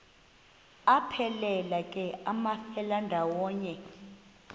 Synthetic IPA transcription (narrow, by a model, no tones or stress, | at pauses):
apʰɛlɛlakʼɛamafɛlandʱawɔːɲɛ